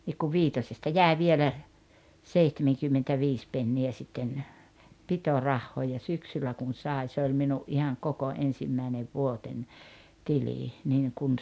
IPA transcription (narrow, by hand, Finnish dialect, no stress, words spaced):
nik kuʋ ʋiːtosestɑ jæe ʋielæ seihtemeŋkymːentæʋiːs penːiæ sitːen pitorɑhːoː jɑ syksylːæ kun̞ sɑˑi̞ se olʲ minuʔ ʔihɑŋ koko ensimːæineʋ ʋuotenʲ tiliˑ niːŋ kun